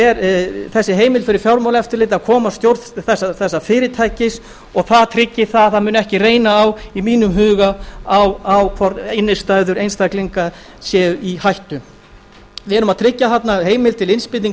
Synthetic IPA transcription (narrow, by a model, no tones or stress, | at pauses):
ɛɾθɛsːɪɦeːjmɪlfɪɾɪɾfjawɾmawlɛft̪ɪɾlɪːt̪aðkʰɔːmast̪jowɾðθɛsːaθɛsːafɪːɾɪt̪ʰajcɪs | ɔɣθaðt̪ʰɾɪcːɪθaðθaðmʏːnɛhcɪreːjnaːwimiːnʏmɦʏːɣaawawkʰvɔɾɪnːɪst̪ajðʏɾejnst̪akliŋka | sjɛːihajht̪ʏ | vɪɛɾʏmaðt̪ʰɾɪcːaθat̪naɦeːjmɪlt̪ʰɪlɪnspɪːt̪iŋ